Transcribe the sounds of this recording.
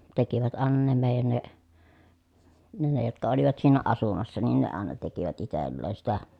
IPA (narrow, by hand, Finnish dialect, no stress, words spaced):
tekiʋæt ɑˑenɑ ne meˑi̯jæn ne ne ne jotkɑ oliʋɑt siːnæ ɑsumɑsːɑ nin ne ɑˑenɑ tekiʋæt itelːeːn̞ sitæ